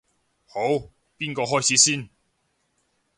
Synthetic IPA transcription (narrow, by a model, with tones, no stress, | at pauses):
ho˨˥w | piː˥nkɔː˧ɦɔː˥jt͡sʰiː˨˥siː˥˩n